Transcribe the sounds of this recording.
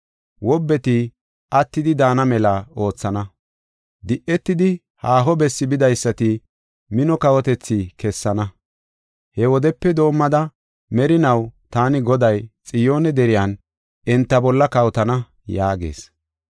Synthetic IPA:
wɔbːɛt̪ɪ | ʔɐt̪ːɪd̪ɪd̪aːnɐmɛlɐo̞ːt͡sːɐnɐ | d̪ɪʔɛt̪ːɪd̪ɪ | haːɦɔbɛsːɪbɪd̪ɐjsːɐt̪ɪ | mɪnɔkɐwɔt̪ɛt͡sːɪkɛsːɐnɐ | hɛwɔd̪ɛpːɛd̪o̞ːmːɐd̪ɐ | mɛɾɪnɐwt̪aːnɪɡɔd̪ɐjt͡sʼɪjo̞ːnɛd̪ɛɾɪjan | ɛnt̪ːɐbɔlːɐkɐwt̪ɐnɐ | jaːɡḛːs

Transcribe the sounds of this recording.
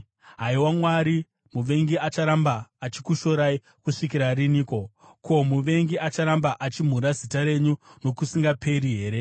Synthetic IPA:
ɦaiwamwaɾi | muʋe̞ŋɡiat͡ʃaɾambaːt͡ʃikuʃo̞ɾai | kuʂik̬iɾariniːko̞ | kʰo̞muʋe̞ŋɡiat͡ʃaɾambaʔat͡ʃim̤uɾazitaɾe̞ɲuno̞kusiŋɡapʰe̞ɾiɦe̞ːɾe̞

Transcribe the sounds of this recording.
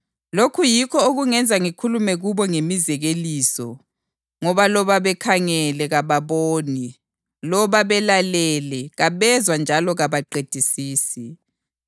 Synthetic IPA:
lokʰujikʰɔoɣuŋɛnd͡zʱaŋikʰulumɛɣuβɔŋemizɛɣeliːsɔ | ŋɔβalɔβaβɛkʰaŋɛlɛɣaβaβoːni | lɔβaβɛlalɛlɛɣaβɛzwand͡ʒʱalɔɣaβaǃed̥ʱisiːsi

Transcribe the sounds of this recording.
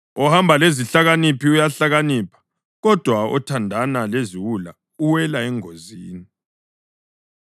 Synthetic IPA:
ɔhambʱaleziɬaɣanipiujaɬaɣaniːpʰḁ | ɣɔd̥ʱwaɔ̰tʰandʱanaleziwula̰ | uwɛlaɛŋoziːni

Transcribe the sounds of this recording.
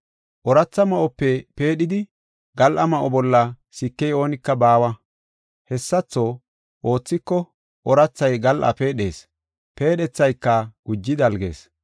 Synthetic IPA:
ʔɔɾɐt͡sːɐmɐʔɔpːɛpe̞ːɗɪd̪ɪ | ɡɐlʔɐmɐʔɔbɔlːɐ | sɪkːɛjo̞ːnɪkːɐbaːwɐ | hɛsːɐt͡sːo̞ː | ʔo̞ːt͡sːɪkːɔ | ʔɔɾɐt͡sːɐjɡɐlʔɐ̰peːɗe̞ːs | pe̞ːɗɛt͡sːɐjkːɐɡ̥ʊd͡ʒːɪd̪ɐlɡe̞̰ːs

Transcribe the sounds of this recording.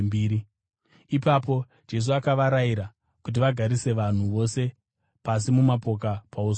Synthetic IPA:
mbiːɾi | ipapo̞ | d͡ʒe̞s̬uakaʋaɾaiɾa | kut̬iʋaɡʱaɾise̞ʋan̤uʋo̞se̞ | pas̬imumapo̞k̬apaus

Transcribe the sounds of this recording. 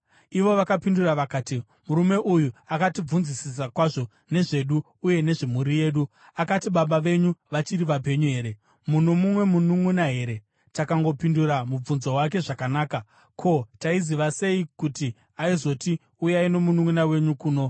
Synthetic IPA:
iʋo̞ʋakapinduraʋakaːti | muɾume̞ʔujuakatib͡vunzisis̬akwaʐo̞ | ne̞ʐe̞ɗuː | je̞ne̞ʐemuɾije̞ːɗu | akatiɓaɓaʋe̞ɲuʋat͡ʃiɾiʋape̞ɲuɦe̞ːɾe̞ | munomumwe̞munumunaɦe̞ɾe̞ | takaŋɡo̞pinduɾamub͡vunzowake̞ʐakanaːka | kʰo̞taiziʋase̞ikuti | aizo̞ti | ujaino̞munuŋunawe̞ɲukuːno̞

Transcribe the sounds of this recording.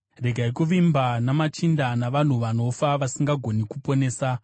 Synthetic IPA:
re̞ɡʱaikuʋimbanamat͡ʃindanaʋan̤uʋano̞faʋasiŋɡaɡʱo̞nikupo̞ne̞ːsa

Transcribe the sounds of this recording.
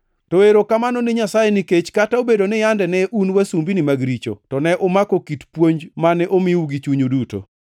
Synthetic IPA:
tɔeɾokamanɔnɪɲasajeniket͡ʃkataobedonɪjandɛnɛʔunwasumbinɪmaɡɾit͡ʃo̰tɔnɛʔomakokitpwoɲd͡ʒmanɛʔomɪuɡit͡ʃuɲuduto̰

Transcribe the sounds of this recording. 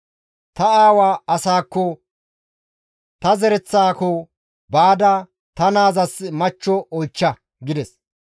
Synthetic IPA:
t̪ɐaːwaːɐsaːkːɔ | t̪ɐzɛɾɛt͡sːaːkɔ | baːd̪ɐ | t̪ɐnaːzɐsmɐt͡ʃːɔʔɔjt͡ʃːɐ | ɡɪd̪ɛs

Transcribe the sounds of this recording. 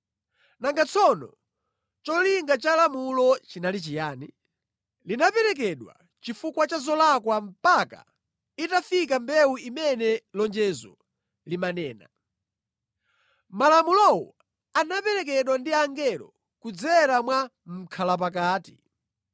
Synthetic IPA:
naŋɡat͡sʰɔnɔ̰ | t͡ʃɔliŋɡat͡ʃalamulɔt͡ʃinalit͡ʃijaːni | linapɛɾɛk̬ɛɗwa̰ | t͡ʃifukwat͡ʃazɔlakwam̩paka̰ | itafikambɛwuimɛnɛlɔnd͡ʒɛzɔ̰ | limanɛːna̰ | malamulɔwɔ̰ | anapɛɾɛk̬ɛɗwandiaŋɡɛlɔ̰ | kud͡zɛɾamwa | m̩kʰalap̬ak̬aːti̥

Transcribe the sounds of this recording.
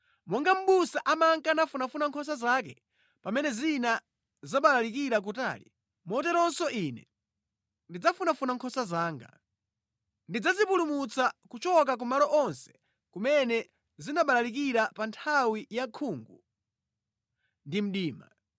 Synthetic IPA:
mwɔŋɡam̩ɓusaʔamaŋkanafunafunaŋkʰɔs̬azak̬ɛ | pamɛnɛzina | zaɓalalikiɾak̬uta̰ːlḭ | mɔt̬ɛɾɔnsɔʔinɛ̰ | ndid͡zafunafunaŋkʰɔsazaːŋɡa̰ | ndid͡zazipulumut͡sakut͡ʃɔk̬ak̬umalɔʔɔnsɛ̥ | kumɛnɛ | zinaɓalalik̬iɾapantʰawijakʰuːŋɡu | ndim̩ɗiːma

